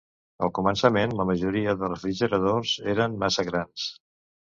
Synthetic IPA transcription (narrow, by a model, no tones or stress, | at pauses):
əlˠkumənsəmenləməʒuɾiəðərˠrəfɾiʒəɾəðozeɾənmasəɣɾans